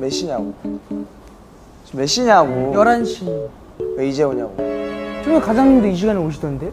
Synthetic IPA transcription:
meɕ͈iɲaɡo | meɕ͈iɲaɡojʌɾanɕʰi | weid͡ʑeoɲaɡot͡ɕomʌkad͡ʑaŋɯdoiɕ̬iɡanioɕ̬ʰidʌnɯnde̞

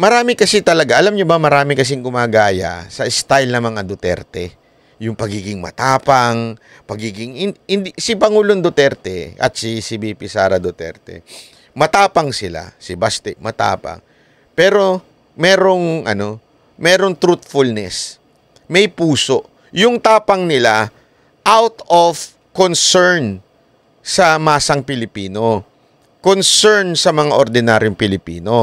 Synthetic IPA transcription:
mɐɾaːmɪkɐsɛt̪ɐlɐɡaʔɐlamɲobɐmɐɾaːmɪkɐs̬ɪŋɡʊmaːɡaːjɐ̰sɐʔɪst̪ajlnɐmɐŋad̪ʊt̪ɛ̰ɾt̪ɛ | jʊŋpɐɡiːɡɪŋmɐ̰t̪aːpɐŋ | pɐɡiːɡɪŋhɪnhɪnd̪isɪpɐŋuːlond̪ot̪ɛɾt̪ɛ̰ʔɐ̰t̪sisibipɪsaːɾɐd̪ot̪ɛ̰ɾt̪ɛ̰ | mɐt̪aːpɐŋsɪla̰sɪbast̪ɛkmɐt̪a̰ːpa̰ŋ | pɛːɾo̞ | mɛːɾo̞ŋʔɐno̞ | mɛːɾoŋt̪ɾut̪̚fʊlnɛs | mɐjpuːso̞ʔ | jʊŋt̪aːpɐŋnɪla | ʔawt̪of | konsɛɹn | sɐmaːsɐŋpɪlɪpiːno̞ | konsɛɹnsɐmɐŋaʔoɾd̪ɪnaːɾjoŋpɪlɪpiːno̞

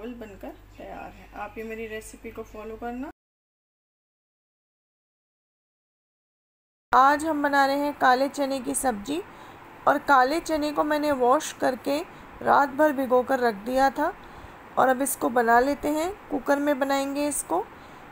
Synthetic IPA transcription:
əlbɐnkɐɾt̪ɐja̰ːɾɦɛʔaːpjimeːɾiɾɛːsɪpikofɔːlokɐɾna | aːd͡ʒɦɐmbɐnaːɾeɦɛ̃kaːlet͡ʃɛːnek̬isɐb̚d͡ʒiɔːɾkaːlet͡ʃɛːnekomɛ̃ːneʋɔːʃkɐɾke | ɾaːt̪̚bʱɐɾbʱiɡoːkɐɾːɐkʰd̪ijat̪ʰa | ɔ̰ːɾɐbɪskobɐnaleːt̪eɦɛ̃kukəɾmẽbɐnaːẽːŋɡeɪsko

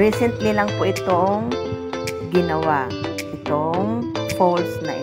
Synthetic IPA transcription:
ɹisɛnt̪lilɐŋpoʔɪt̪oŋ | ɡɪnɐwaʔ | ʔɪt̪oŋpolsnɐʔɪ

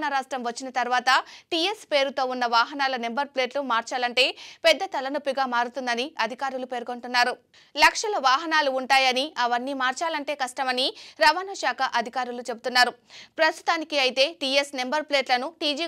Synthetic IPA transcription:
nɐɾaːʂʈɾɐmʋɐt͡ʃːinɐt̪ɐɾʋaːt̪ɐʈije̞spe̞ːɾut̪o̞ːunːɐʋaːɦɐnaːlɐne̞mbɐɾple̞ːʈlumaːɾt͡ʃaːlɐɳʈe̞ːpɛd̪ːɐt̪ɐlɐnupːiɡaːmaːɾut̪und̪ɐniɐd̪ʱikaːɾulupe̞ːɾko̞ɳʈunːaːɾu | lɐkʂɐlɐʋaːɦɐnaːluːɳʈaːjɐniɐʋɐnːiːmaːɾt͡ʃaːlɐɳʈe̞ːkɐʂʈɐmɐniɾɐʋanɐʃaːkʰɐʔɐd̪ʱikaːɾulut͡ʃe̞but̪unːaːɾupɾɐst̪u̥t̪aːnikiɐjit̪e̞ːʈije̞sne̞mbɐɾple̞ːʈlɐnuʈiːd͡ʒiː

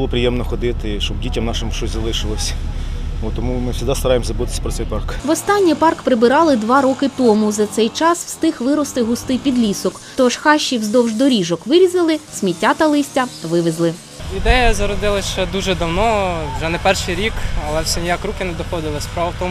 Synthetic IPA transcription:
bʊlˠɔpɾʲɪjɛmnɔxɔd̪ɪt̪ɪʃt͡ʃɔbdʲitʲɐmnɑʃɪmʃt͡ʃɔsʲzɐlˠɪʃɪlˠɔsʲ | ot̪ːɔmumɪwsʲʊd̪ɑst̪ɐɾɑjemzɐbut̪ɪ̥sʲɐ̥pɾɔt̪sɛjpɑrkʋɔst̪ɑnʲːipɑrkpɾɪbɪɾɑlˠɪd̪ʋɑɾɔkɪt̪ɔmʊzɐt̪sɛjt͡ʃɑswst̪ɪxʋɪɾɔst̪ɪɦʊst̪ɪpʲid̪lʲisɔk | t̪ɔʃxɑʃʲːiwzd̪ɔwʒd̪ɔɾʲiʒɔkʋɪɾʲizɐlˠɪsʲmʲitʲːat̪ɐlˠɪsʲtʲɐʋɪʋɪzlˠɪ | id̪ɛjɐzɐɾɔd̪ɪlˠɐsʲt͡ʃɔd̪uʒɛd̪ɐwnɔʒɛnɛpɛrʃɪjɾʲikɐlˠɛwsɛnʲijakrukɪnɛd̪ɔxɔd̪ɪlˠɐsʲpɾɔɐwt̪ɔm

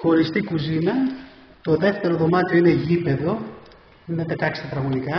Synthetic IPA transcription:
xo̞ɾist̪ikuzinɐ | t̪o̞ðe̞ft̪e̞ɾo̞ðo̞mɐt̪ioine̞ʝipe̞ðo̞ | nɐt̪et̪ɐkse̥t̪et̪ɾɐɣonikɐ

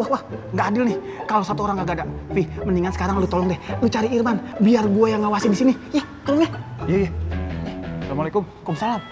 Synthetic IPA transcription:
wahwahŋɡaːdɪlnɪh | kalosat̪uoɾaŋɡaɡadaʔfiməniŋansə̥kaɾaŋlut̪olɔŋdɛhlut͡ʃaɾiirmanbiarɡuajaŋɡawasɪndisinijah | k̪əɾuɲajajaasalamualakʊm | kɔmsalam

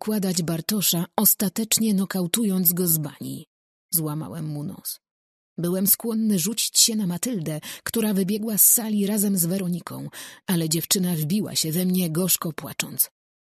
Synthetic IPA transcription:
kwad̪ad͡ʑbaɾt̪ɔʂaɔst̪at̪ɛt͡ʂɲɛnɔkawt̪ujɔnd̪zɡɔzba̰ɲḭ | zwama̰wɛ̰mːunɔ̰s | bɘwɛmskwɔnːɘʐut͡ɕi̥t͡ɕɕɛnamat̪ɘld̪ɛkt̪uɾavɘbʲjɛɡwasːalʲiɾazɛmzvɛɾɔɲikʰɔ̰̃w̃alɛd͡ʑɛft͡ʂɘnavbʲiwa̰ɕɛvɛmɲɛɡɔʂkɔpwa̰t͡ʂɔnt̪s

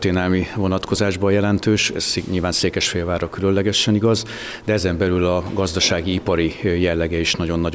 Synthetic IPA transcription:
t̪eːnɛlmivo̞nɒt̪ko̞zaːʒbɒjɛlɛnt̪øːʃɛ̰zɲilvaːnseːkɛʃfeːlvaːɾɒkylø̞nlɛɡɛʃɛniɡɒz | d̪ɛɛzɛmbɛlylɒɡɒzd̪ɒʃaːɡiipɒɾijɛlːɛɡɛiʃnɒɟo̞nːɒ

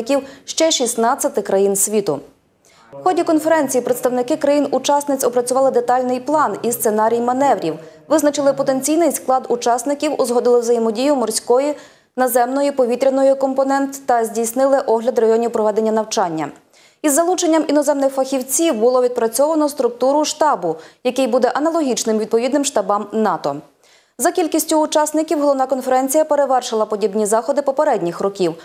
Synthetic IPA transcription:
kʲiwʃt͡ʃɛʃisnɑt͡sʲːɐt̪ɪkɾɐjinsʲʋʲit̪ʊ̰ | wxɔdʲikɔnfeɾɛnʲt͡sʲijipɾet̪st̪ɐwnɪkɪkɾɐjinʊt͡ʃɑsnɪt͡sʲɔpɾɐt͡sʲʊʋɑlˠɪd̪et̪ɑlʲnɪjplˠɑnist̪senɑɾʲijmɐnɛʋɾʲiwʋɪznɐt͡ʃɪlˠɪpɔt̪e̞nʲt͡sʲijnɪjsklˠɑd̪ut͡ʃɑsnɪkʲiwʊzɦɔd̪ɪlˠɪwzɐjimɔdʲijʊmɔrsʲkɔji | nɐzɛmnɔjipɔʋʲit̪ɾʲɐnɔjʊkɔmpɔnɛnt̪ːɐzʲdʲijsnɪlˠɪʔɔɦlʲɐd̪rɐjɔnʲiwpɾɔʋɛd̪e̞nʲːɐnɐwt͡ʃɑnʲːɐ̰ | izːɐlˠut͡ʃenʲːɐminɔzɛmnɪxfɐxʲiwt͡sʲiwbʊlˠɔʋʲid̪̚pɾɐt͡sʲɔʋɐnɔst̪ɾʊk̚t̪uɾʊʃt̪ɑbʊjɐkɪjbud̪ɛʔɐnɐlˠɔɦʲit͡ʃnɪmʋʲid̪̚pɔʋʲid̪nɪmʃt̪ɑbɑmnɑt̪ɔ | zɐkʲilʲkʲisʲtʲʊːt͡ʃɑsnɪkʲiwɦɔlˠɔwnakɔnfeɾɛnʲt͡sʲijɐpe̞ɾeʋɛrʃɪlˠɐpɔdʲibnʲizɑxɔd̪ɪpɔpeɾɛdʲnʲixrɔkʲiw

